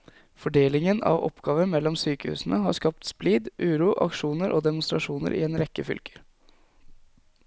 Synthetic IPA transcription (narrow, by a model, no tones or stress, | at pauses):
fɔɖeːlɪŋənɑ̰ʋɔ̰pɡɑːʋəɾmɛlːɔmsyːkəhʉ̰ːsn̩əɦɑɾskɑp̚t̪spliːd̪ʔʉːɾuːʔɑ̰kʂuːnəɾʔoːd̪ɛmʊnst̪ɾɑʂuːnə̰ɾʔɪ̰eːnɾɛkːəfʏ̰lkʰə̥ɾ